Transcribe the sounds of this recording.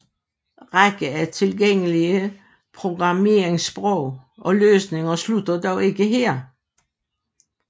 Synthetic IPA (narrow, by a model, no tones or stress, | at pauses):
ʁaɡ̥əæt͡sʰe̝lɡ̥eŋ̰əliə | pʰʁo̝ɡ̥ʁɑ̈me̝ːeŋsb̥ʁɔʊ̰ʔɒ̽løːsne̝ŋɐslud̥ɐd̥ɒʊe̝ɡ̥əɦeɐ̰